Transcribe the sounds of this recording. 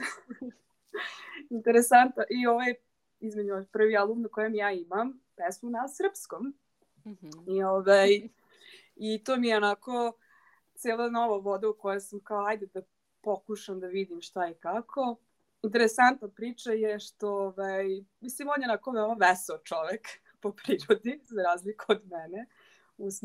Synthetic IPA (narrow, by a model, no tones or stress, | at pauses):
int̪eɾesant̪naʔioʋaj | izmed͡ʑupr̩ʋialˠumnakojomjaːimampɛsmunasr̩pskom | ioʋaj | it̪oːmijeonako | t̪seːlˠanoʋaʋod̪aukojasamkaoajd̪ed̪a | pokuʃamd̪aʋid̪imʃt̪aikakʰo | int̪̬eɾesant̪napɾiːt͡ʂajeʃt̪ooʋajmislimonjeonakonomoʋɛseot͡ʃoʋek | popɾiːɾod̪izaɾaːzlikuod̪mɛne | us